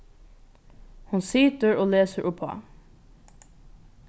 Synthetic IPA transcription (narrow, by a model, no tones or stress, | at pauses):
hʊnsɪːt̪əɹoːleːsəɾʔʊphɔ̰